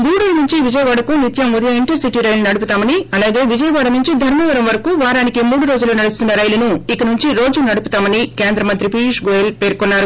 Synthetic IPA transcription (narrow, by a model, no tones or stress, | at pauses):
ɡ̪uːɽɐlɐnuɲt͡ʃiʋid͡ʒɐjɐʋaːɽɐkunit̪jɐmud̪ɐjɐiɳʈɐɾsiʈiːɾɐjlunɐɽup̬ut̪aːmɐniɐlaːɡe̞ːʋid͡ʒɐjɐʋaːɽɐnuɲt͡ʃid̪ʱɐɾmɐʋɐɾɐmʋɐɾɐkuʋaːɾaːnikimuːɽuɾoːd͡ʒuloːnɐɽust̪unːɐɾɐjlunuikɐnuɲt͡ʃiɾo̞ːd͡ʒunɐɽuput̪aːmɐnike̞ːnd̪ɾɐmɐnt̪ɾipiʂɡojelpeːɾkonːaːɾu